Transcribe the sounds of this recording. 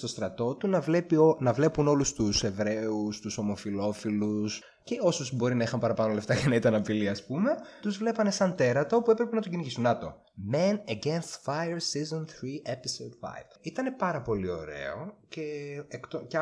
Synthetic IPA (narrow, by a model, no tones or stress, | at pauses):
st̪o̞st̪ɾɐt̪o̞t̪unɐvepionɐvle̞puno̞lust̪use̞vɾe̞ust̪uso̞mo̞filo̞filus | ce̞o̞susbo̞ɾinɐixɐmpɐɾɐpɐno̞le̞ft̪ɐcenɐit̪ɐnɐpiliɐspume̞t̪uzvle̞pɐne̞sɐnt̪e̞ɾɐt̪ɐoopuepɾe̞pe̞nɐt̪oɟiniʝisunɐt̪o̞̰ | mɛnɐɟenst̪fajeɾsizonθɾiepisod̪fa̰jv̥it̪ɐne̞pɐɾɐpo̞lio̞̰ɾe̞̰oce̞ːkt̪oc